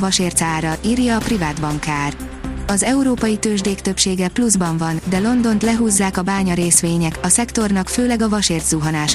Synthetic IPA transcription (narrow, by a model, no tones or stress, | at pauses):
vɒʃeːrt̪saːɾɒʔiːrjɒːprivaːd̪bɒŋkaːr | ɒzɛuɾoːpɒjit̪øːʒd̪eːkt̪øpʃeːɡɛpluzbɒɱvɒnd̪ɛlo̞nd̪o̞nt̪lɛɦuːzːaːkɒbaːɲɒɾeːsʋeːɲɛkɒsɛkt̪o̞rnɒkføːlɛɡɒvɒʃeːrt̪zuɦɒnaːʃ